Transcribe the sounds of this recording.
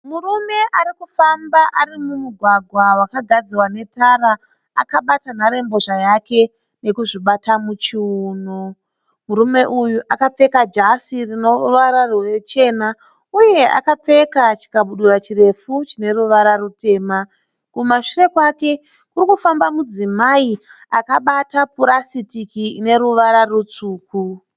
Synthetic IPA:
murume̞ʔaɾikufambaʔaɾimumuɡʱwaɡʱwawakaɡʱad͡ziwane̞taɾa | a̰kaɓatanaɾe̞mbo̞ʐajake̞ | ne̞kuʐiɓatamut͡ʃiuːno | muɾume̞ʔujuʔakap͡fe̞kad͡ʒasirino̞ʋaɾarwe̞t͡ʃe̞ːna | uje̞a̰kap͡fe̞kat͡ʃi̥kaɓuɗurat͡ʃire̞fut͡ʃine̞ɾuʋaɾarute̞ːma | kumaʂire̞kwake̞ | kuɾikufambamud͡zimai | akaɓatapuɾasitikiine̞ɾuʋaɾarut͡suːku

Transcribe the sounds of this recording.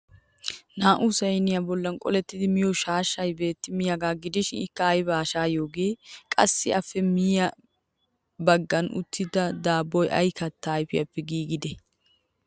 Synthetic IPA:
naːʔʊsɛjnɪjɐbɔlːɐnkʼɔ̰lɛt̪ːɪd̪ɪmɪjɔʃaːʃːɐjbe̞ːt̪ːɪmɪjɐɡaːɡɪd̪ɪʃɪnɪkːɐːjbaːʃaːjo̞ːɡe̞ːkʼɐsːɪʔɐfːɛmɪjjɐ | bɐɡːɐnʔʊ̰t̪ːɪd̪ɐd̪aːbːɔjʔɐ̰jkɐt̪ːajfɪjɐpːɛɡiːɡɪd̪ɛ

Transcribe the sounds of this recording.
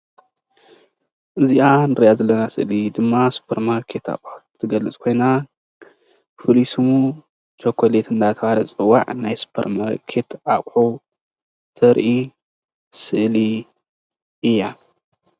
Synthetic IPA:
ʔɨziʔanɨɾɐjazɐlːɐnasɨʔlid̪ɨmːasu̥pʰɐɾmaɾkʰe̞t̪a̰kʼħut̪ʰːɨɡɐlɨt͡sʼkʰo̞jna | fɨlisɨmu | t͡ʃʰokʰːolet̪ʰɨnd̪at̪ʰɐβalɐt͡sʼɨwːa̰ʕnajsu̥pʰɐ̰ɾmaɾkʰe̞t̪ʔakʼħu | t̪ʰɐɾʔi | sɨʔli | ɨjːa

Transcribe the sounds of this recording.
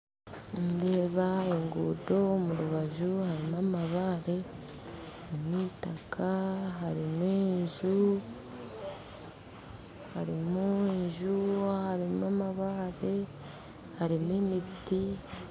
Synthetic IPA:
nde̞ːβaeŋɡuːdo̞omuɾuβaʒuhaɾimamaβaːɾe̞ | haɾimwitakʰaɦaɾimweːɲʒu | haɾimueʒuhaɾimuamaβaɾe̞ | haɾimwemiti

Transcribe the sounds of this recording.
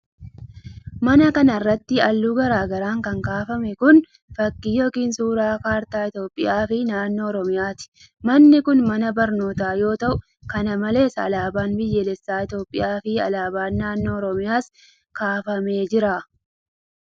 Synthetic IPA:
mɐnɐkɐnɐrːɐt̪ːɪɐlːuːɡɐɾaːɡɐɾaːŋkɐŋkaːfɐmɛkʊn | fɐkːijo̞ːkiːnsuːɾaːkaːɾt̪aːɪt̪jo̞ːpʼːɪjaːfɪnaːnːo̞ːɔɾɔmɪjaːt̪ɪ̥ | mɐnːɪkʊnmɐnɐbɐɾno̞ːt̪aːjo̞ːt̪ɐʔʊ | kɐnɐmɐle̞ːsɐ̰laːbaːnbɪjːɛlɛsːaːɪt̪jo̞ːpʼːɪ̰jaːfɪɐ̰laːbaːnːaːnːo̞ːɔɾɔmɪjaːs | kaːfɐme̞ːd͡ʒɪɾaː

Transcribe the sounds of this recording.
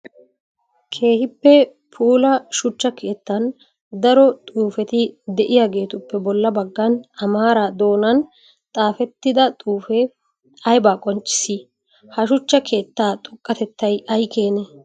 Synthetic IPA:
kʰe̞ːhɪpːɛ | pʰuːlɐʃʊt͡ʃːɐkʰe̞ːt̪ːɐn | d̪ɐɾɔt̪ʼuːfɛt̪ɪd̪ɛʔɪjaːɡe̞ːt̪ʊpːɛbɔlːɐbɐɡːɐnɐmaːɾad̪o̞ːnɐn | t̪ʼaːfɛt̪ːɪd̪ɐt̪ʼuːfɛ | ɐjbaːkʼɔnt͡ʃʼːɪ̥sɪ | hɐʃʊt͡ʃːɐkʰe̞ːt̪ːaːt̪ʼʊkʼːɐt̪ɛt̪ːɐjɐjkʰeːne

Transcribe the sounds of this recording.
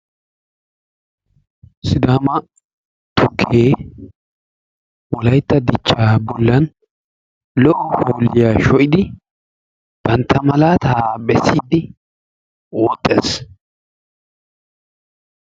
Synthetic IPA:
sɪd̪aːmɐ | t̪ʰʊkʰːeː | wɔlɐjt̪ːɐd̪ɪt͡ʃːaːbɔlːɐn | lɔʔɔhoːlɪjaːʃɔʔɪd̪ɪ | b̥ɐnt̪ʰːɐmɐlaːt̪ʰaːbɛsːiːd̪ɪ | woːt̪ʼːḛːs

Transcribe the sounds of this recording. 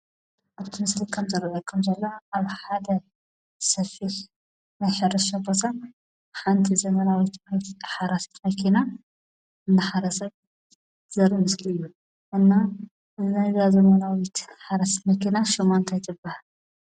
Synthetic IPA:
ʔaβt̪ʰɨmɨslikʰɐmzɨɾʔɐkʰɨmzɐlːoaβħad̪ɐ | sɐfiħ | najħɨɾɨʃɐbot̪ʰa | ħant̪ʰizɐmɐnawit̪tħaɾasi̥t̪mɐkʰina | ɨnːɐħaɾɐsɐj | zɐɾɨmɨslɨjːu | ʔɨnːa | ɨznajzazɐmɐnawit̪ħaɾɐst̪mɐkinaʃɔmːɐnt̪ʰajt̪ʰɨbːahal

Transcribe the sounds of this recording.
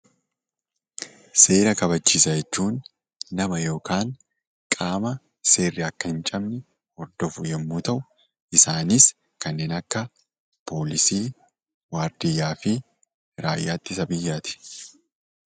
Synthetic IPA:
se̞ːɾɐkɐβɐt͡ʃːiːsɐd͡ʒɛt͡ʃːuːnː | ɐmɐjo̞ːkaːŋ | kʼaːmɐ | se̞ːrːɪɐkːɐhɪnt͡ʃʼɐmnɪ | ɔɾd̪ɔfʊjɛmːuːt̪ɐʔʊ | ʔɪsaːnis | kɐnːeːnɐkːɐ | pʰo̞ːlɪsiː | waːɾd̪ɪjːaːfɪ | ɾaːjːaːt̪ːɪsɐbɪjːaːt̪ɪ̥

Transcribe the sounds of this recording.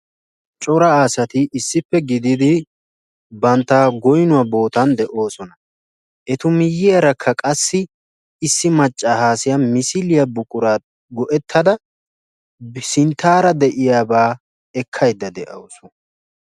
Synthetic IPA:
t͡ʃʼɔɾɐaːsɐt̪ɪʔɪsːɪpːɛɡɪd̪ɪd̪ɪ | bɐnt̪ːaːɡɔjnʊɐbo̞ːt̪ɐnd̪ɛʔo̞ːsɔnɐ | ʔɛt̪ʊmɪjːɪjɐɾɐkʰːɐkʼɐsːɪː | sːɪmɐt͡ʃʼːahaːsɪjamɪsɪlɪjɐbʊkʼʊɾaː | ɡɔʔɛt̪ʰːɐd̪ɐ | sɪnt̪ʰːaːɾɐd̪ɛʔɪjaːbaː | ɛkʰːɐjd̪ːɐd̪ɛʔɐsɔ

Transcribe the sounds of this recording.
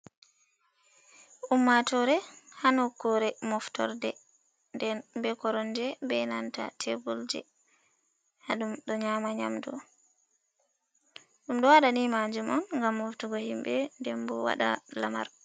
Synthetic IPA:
ʔumːatɔɾɛhanɔkːɔɾɛmɔftɔ̰ɾdɛ | ndɛnbɛkɔɾɔnd͡ʒɛbɛnanta̰tʰebuld͡ʒɛ̰ | haɗumɗɔɲamaɲa̰mdɔ̰ | ɗumɗɔwaɗanimad͡ʒumɔnŋɡamːɔftɔɡɔhimbɛndɛmbɔwa̰ɗa̰lama̰ɾ

